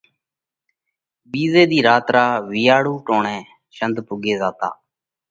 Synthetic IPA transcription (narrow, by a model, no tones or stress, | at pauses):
biːzeːd̪iːɾaːt̪ɾaːʋɪːaːɽuːʈoːɳɛ̃ː | ʃənd̪pʊɡeːzaːt̪a̰ː